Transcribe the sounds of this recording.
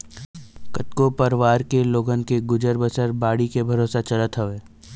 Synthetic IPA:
kət̪kopɐɾʋaːɾkeloːɡənkeɡʊd͡ʒəɾbəsəɾbaːɽikebʱɐɾoːsat͡ʃɐlət̪ɦoʋeː

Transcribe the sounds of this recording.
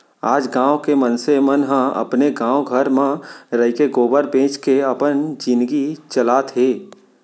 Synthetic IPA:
aːd͡ʒɡãːwkemənsemənɦə̃ə̰pneɡãːwɡʱəɾmẽɾəikeɡoːbəɾbẽːt͡ʃkeəpənd͡ʒɪ̃nd̪ɡit͡ʃəlaːt̪ʰɦeː

